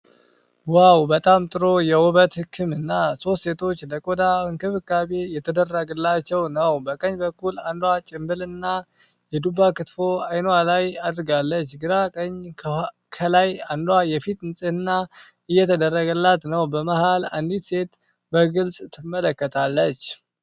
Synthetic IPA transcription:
wawbət̪ʼamt̪ʼɨɾo̞jɛwʊβət̪hɨkʰːɨmɨnːaso̞st̪se̞t̪ʰo̞t͡ʃːləkʼod̪aɨnkʰɨβɨkːaβejɛt̪ʰəd̪ərːəɡɨlːat͡ʃːɛwnəwbəkʼəɲbəkːuland̪wat͡ʃʼɪmbɨlɨnːa | jɛd̪ubakɨt̪fo̞ajnalajad̪ɾɡalːət͡ʃːɡɨɾakʼəɲʰ | kʰəlajand̪wajɛfit̪ɨnsʼɨhɨnːa | ɨjːɛt̪ʰəd̪ərːəɡəlːat̪nəwbəmahala̰nd̪itse̞t̪ | bəɡɨlsʼt̪ʰɨmːələkːət̪ʰalːət͡ʃː

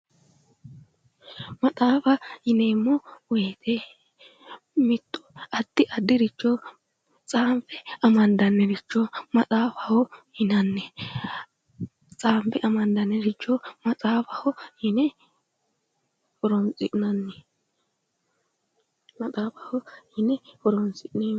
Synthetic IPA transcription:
mɐt̪ʼaːfɐhɪneːmːɔweːt̪ʰɛ | mɪt̪ːʊ̥ɐd̪ːɪʔɐd̪ːɪɾɪt͡ʃːɔ | t͡sʼaːmpɛɐmɐnd̪ɐnːɛɾɪt͡ʃːɔmɐtʼaːfɐhɔhɪnɐnːɛ | t͡sʼaːmpɛʔɐmɐnd̪ɐnːɛɾɪt͡ʃːɔmɐt͡sʼaːfɐhɔhɪnɛ | hɔɾɔnt͡sʼɪʔnɐnːɛ | mɐtʼaːfɐhɔhɪnɛhɔɾɔnt͡sʼɪneː

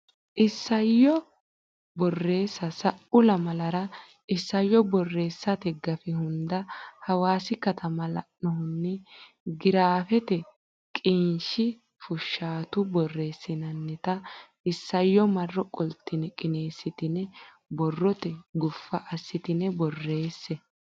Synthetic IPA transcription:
ʔɪsːɐjːɔ | bɔrːe̞ːsːɐsɐʔʊlɐmɐlɐɾɐ | ʔɪsːɐjːɔbɔrːe̞ːsːɐt̪ɛɡɐfɪhʊnd̪ɐhɐwaːsɪkɐt̪ʰɐmɐlɐ̰ʔːɔhʊnːɪ | ɡɪɾaːfɛt̪ɛ | kʼɪnʃɪ | fʊʃːaːt̪ʊbɔrːe̞ːsːɪnɐnːɛt̪ɐ | ɪsːɐjːɔmɐrːɔkʼɔlt̪ːɪnɛkʼɪneːsːɪt̪ɪnɛ | bɔrːɔt̪ɛɡʊfːɐʔɐsːɪt̪ɪnɛbɔrːe̞ːsːɛ

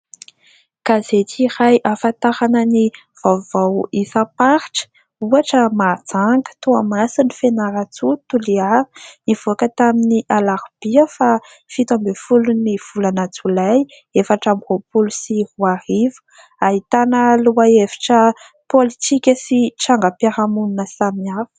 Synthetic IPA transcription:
kazet̪irajʔafat̪aɾanəni | v̥avawisapaɾiʈ͡ʂə̥ | uaʈ͡ʂəmat͡saŋɡə̥t̪uamasinifenaɾat͡sut̪uliaɾi̥niv̥oakət̪aminiʔalaɾub̥iəfa | fit̪ambefuluniv̥ulanat͡sulaj | efaʈ͡ʂamvopulusihuaɾivə̥ | aɦit̪anəluaevi̥ʈ͡ʂə | polit̪ikʲəsiʈ͡ʂaŋɡapaɾamununəsamiavu̥

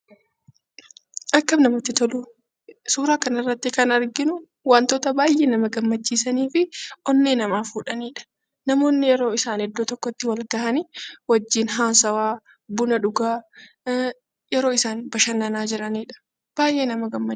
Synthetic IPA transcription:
ʔɐkːɐmnɐmɐt̪ːɪt̪ɔlʊ | suːɾaːkɐnɐrːɐt̪ːɪkɐnɐɾɡɪnʊ | waːnt̪oːt̪ɐbaːjʔeːnɐmɐɡɐmːɐt͡ʃːiːsɐniːfɪʔɔnːeːnɐmaːfuːᶑɐniːᶑɐ̥ | nɐmo̞ːnːɪjɛɾo̞ːɪsaːnhɛd̪ːoːt̪ɔkːɔt̪ːɪwɐlɡɐhɐniwɐd͡ʒːiːnɦaːsɐwaː | bʊnɐᶑʊɡaː | jɛɾo̞ːɪsaːnbɐʃɐnːɐnaːd͡ʒɪɾɐniːᶑɐ̥ | b̥aːjʔe̞ːnɐmɐɡɐmː

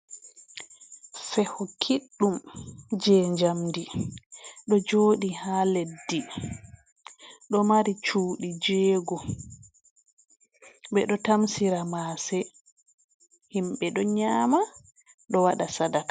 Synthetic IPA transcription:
sɛhɔkʰiɗːumd͡ʒɛːɲd͡ʒamdi | ɗɔd͡ʒoːɗihaledːi | ɗɔmaɾit͡ʃuːɗid͡ʒeːɡɔ | bɛɗɔtamsiɾamaːsɛ | himɓɛɗɔɲaːma | ɗɔwaɗasadakḁ

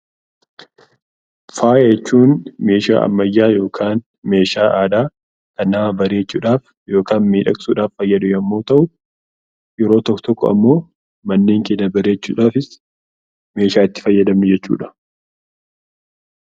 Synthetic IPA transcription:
faːʔɛɛt͡ʃːuːnme̞ːʃa̰ːʔɐ̰mːɐjːaːjo̞ːkʰaːn | me̞ːʃaːʔaːd̪aː | kɐnːaːbɐɾe̞ːt͡ʃːṵːᶑaːf | jo̞ːkaːnmiːᶑɐkʼsuːᶑaːfːɐjːɐd̪ʊjɐmːo̞ːt̪ɐʔʊ | jɛɾo̞ːt̪ɔkːɔt̪ɔkːɔɐ̰mːo̞ː | mɐnːeːŋkeːnːɐbɐɾe̞ːt͡ʃːṵːᶑaːfɪs | me̞ːʃaːɪt̪ːɪ̥fɐjːɐd̪ɐmɪd͡ʒɛt͡ʃːṵːᶑɐ̥

